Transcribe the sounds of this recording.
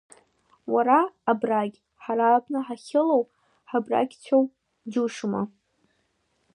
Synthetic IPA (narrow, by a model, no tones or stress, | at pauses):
waɾaːbraɡʲ | ħaɾalpʰʼnɨħaχʲɪlow | ħabra̰ɡʲt͡sʰow | d͡ʒuʂma̰